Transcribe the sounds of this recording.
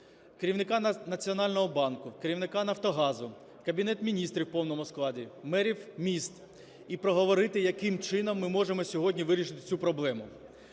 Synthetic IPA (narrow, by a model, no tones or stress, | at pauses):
keɾʲiwnɪkɑnɐt͡sʲiɔnɑlʲnɔɦɔbɑnkʊkeɾʲiwnɪkɑnɐwt̪ɔɦɑzʊ | kɐbʲinɛt̪mʲinʲist̪ɾʲiwpɔwnɔmʊsklˠɑdʲimɛɾʲiwmʲist̪ | ipɾɔɦɔʋɔɾɪt̪ɪjɐkɪmt͡ʃɪnɔmːɪmɔʒemɔsʲɔɦɔdʲnʲiʋɪɾʲiʃɪt̪ɪ̥t͡sʲupɾɔblˠɛmʊ